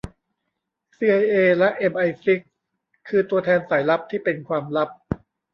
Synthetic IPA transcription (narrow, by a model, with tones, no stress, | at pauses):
siː˧ʔa˧jʔeː˧lɛ˦˥ʔe˧mʔa˧jfi˦˥kʰː | ɯː˧t̪u˧ɐt̪ʰɛː˧nsaː˩˦jla˦˥p̚t̪ʰiː˥˩pe˧nkʰwaː˧mla˦˥p̚